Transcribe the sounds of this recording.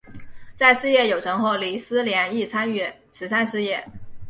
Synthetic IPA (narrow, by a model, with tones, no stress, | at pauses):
t͡sa˥˧ɪʂɻ̩˥˧jɛ˥˩jo˨˩ʊʈ͡ʂɤ˧˥ŋxo˥˩ʊli˧˨˥sɹ̩˥ljɛ˧˥ni˥˩t͡sʰa˥ny˥˩ | ʂʰɻ̩˧˥sa˥nʂɻ̩˥˧jɛ˥˩